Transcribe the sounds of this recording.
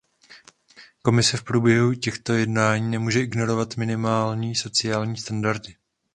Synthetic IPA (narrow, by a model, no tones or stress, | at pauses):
ko̞mɪsɛfpɾuːbjɛɦucɛxt̪o̞jɛdnaːɲiːnɛmuːʒɛʔɪɡno̞ɾo̞vat̪mɪnɪmaːlɲiːso̞t͡sɪaːlɲiːst̪andaɾtɪ